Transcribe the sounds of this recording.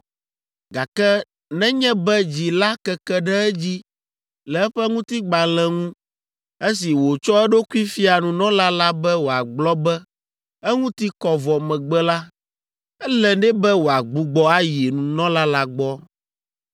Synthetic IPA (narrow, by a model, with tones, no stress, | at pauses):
ɡa˨kɛ˦ | nɛ̃˦ɲɛ̃˦bɛ˦d͡ʑi˨la˦kɛ˦kɛ˦ɖɛ˦ɛ˦d͡ʑi˦ | lɛ˨ɛ˦ɸɛ˦ŋũ˦t̪i˦ɡ͡ba˨lɛ̃˨ŋũ˦ | e˦si˨wo˨t͡ʃɔ˦ɛ˦ɖo˦ku˦i˦fi˦a˨nũ˨nɔ̃˦la˦la˦bɛ˦wo˨a˨ɡ͡blɔ˦bɛ˦ | ɛ˦ŋũ˦t̪i˦kɔ˨vɔ˨mɛ̃˨ɡ͡bɛ˦la˦ | ɛ˦lɛ˨ɖɛ˦bɛ˦wo˨a˨ɡ͡bu˨ɡ͡bɔ˦a˦ji˨nũ˨nɔ̃˦la˦la˦ɡ͡bɔ˦